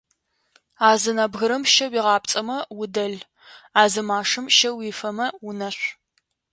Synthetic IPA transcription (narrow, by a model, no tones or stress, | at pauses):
aːzɨnɐbɣɨɾɐmʃɐwiːʁɑːp̚t͡sʼɐmɐwʊdɐɮ | aːzɨmaːʂɨmʃɐwiːfɐmɐwʊnɐɕʷ